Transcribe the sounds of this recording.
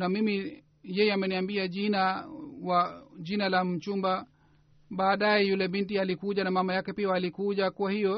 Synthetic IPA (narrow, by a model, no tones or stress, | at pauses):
namimi | jɛjɛamɛniambiaʄinawaʄinalam̩t͡ʃumba | ɓaːɗajɛjulɛɓintialikuʄanamamajakɛpiaːlikuʄakuwahijɔ